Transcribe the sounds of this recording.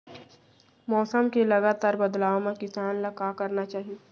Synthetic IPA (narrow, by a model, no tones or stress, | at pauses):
mɔːsəmkelɐɡaːt̪aːɾbɐd̪laːomẽkɪsaːnlɐkakɐɾnat͡ʃaːɦie